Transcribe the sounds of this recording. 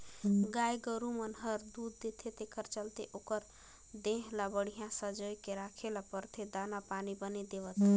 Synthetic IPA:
ɡajɡəɾumənɦəɾd̪ud̪ːet̪ʰet̪ekəɾt͡ʃəlt̪eʔokəɾ | d̪ẽɦlabəɽ̤ijãsəd͡ʒojkeɾakʰelapəɾt̪ʰed̪anapanibəned̪eʋət̪

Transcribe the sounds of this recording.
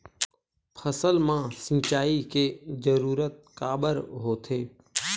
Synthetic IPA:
pʰəsəlmãːsĩːt͡ʃaːikeːzəɾuːɾət̪̚kaːbəɾɦoːt̪ʰeː

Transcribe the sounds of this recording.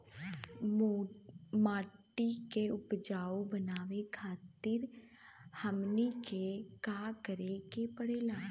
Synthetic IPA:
maːʈːikeʊpd͡ʒaːobənaːʋekʰaːt̪ɪɾ | həmnikekaːkəɾekepəɽeːlaː

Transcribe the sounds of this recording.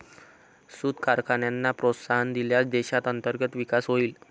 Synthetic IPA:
sud̪kaɾkʰaɳjanːapɾot̪saɦənd̪iljasd̪eɕat̪ənt̪əɾɡət̪ʋikasɦoiːl

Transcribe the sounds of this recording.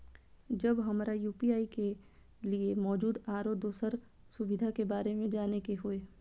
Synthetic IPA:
d͡ʒɐbɦɐmɾajuːpiaːike | liemɔːd͡ʒuːd̪aːɾoːd̪oːsəɾ | sʊʋɪd̪ʱakebaːɾemẽd͡ʒaːnekeɦoeː

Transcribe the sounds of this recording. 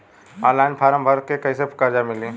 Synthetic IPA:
ãlaːɪnpʰaːɾəmbʱəɾkekəisepʰkad͡ʒamɪlĩ

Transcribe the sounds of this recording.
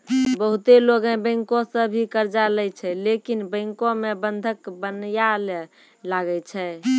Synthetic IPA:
bəɦut̪eloɡə̃bə̃ɪŋkosəbʱikəɾd͡ʒalɛt͡ʃʰɛlekinbə̃ɪŋkomebənd̪ʱəkbənjale | laɡɛt͡ʃʰɛ

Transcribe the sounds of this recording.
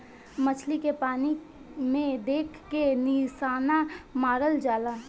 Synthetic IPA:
mət͡ʃʰlikepaːni | mẽd̪eːkʰkenisaːnamaːɾəld͡ʒaːlaː

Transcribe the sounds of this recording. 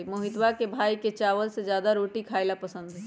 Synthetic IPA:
moːɦɪt̪ʋakebʱaːiket͡ʃaːʋəlsed͡ʒjaːd̪aɾoːʈikʰaːɪlapɐsə̃nd̪ɦɛ

